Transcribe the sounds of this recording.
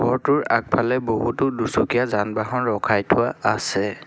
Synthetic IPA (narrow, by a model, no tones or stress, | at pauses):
bɔɹtʊɹa̰k̚pʰalɛboɦutʊdusokijazanbaɦɔnɹɔkʰajtʰʊwaːsɛ